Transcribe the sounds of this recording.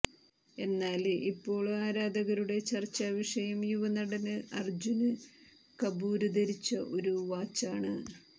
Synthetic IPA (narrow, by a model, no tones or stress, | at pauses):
e̞nːaːlipːo̞ːɭaːɾaːd̪ɐɣɐɾuɽe̞t͡ɕɐrt͡ɕːaʋiʂɐjɐmjuʋɐnɐɽɐnɨɐrd͡ʑunɨ | kɐbuːɾud̪ɐɾit͡ɕːɐʔo̞ɾuʋaːt͡ɕːaːɳɨ